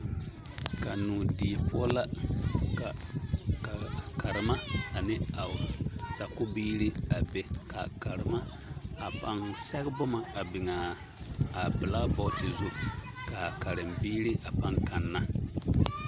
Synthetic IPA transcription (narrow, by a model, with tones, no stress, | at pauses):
ka˨nuː˨di˨pʊ˦ɔ˦la˦˨ | ka˨ɾɨ˨ma˦a˨nɪ˦a˨sa˨kʊ˦biː˦ɾi˦a˨be˨ka̰˨ka˨ɾɪ˨ma˦ | a˨pa˨˦nsɛ˦ɡbʊ˦ma˨a˨bɪ˨ŋaː˨ | bɪ˨la˦bɔ˦˨tɪ˨zu˦ka˨ka˨ɾɨ˨mbiː˦ɾi˦ʔa˨pa˦ŋka˨nːa˦